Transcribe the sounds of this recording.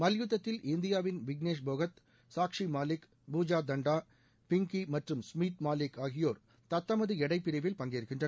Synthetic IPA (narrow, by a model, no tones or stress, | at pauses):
mɐljut̪ːɐt̪ːɪlʔɪnd̪ɪjaːʋɪnʋɪɡneːʂ̬bʱoːɣɐt̪ | saːkʂimaːlɪk | buːd͡ʒaːd̪ɐɳɖaː | pɪŋkimɐʈrɯmsmiːt̪maːlɪkaːɣɪjoːɾ | t̪ɐt̪ːɐmɐðɯɛɽɐɪpːɪɾɐʋɪlpɐŋɡeɾɯkːɪndrɐ